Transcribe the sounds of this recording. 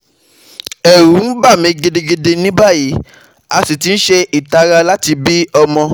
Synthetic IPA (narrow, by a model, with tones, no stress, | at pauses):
ɛ˨ɾu˨˦n̩˦ba˦˨mĩ˧˦ɡe˧de˧ɡe˧de˧nĩ˦ba˦˨ji˨˦ | a˧si˨ti˨˦n̩˦ʃe˧i˨ta˧ɾa˧la˦ti˧bi˦ɔ˧mɔ̃˧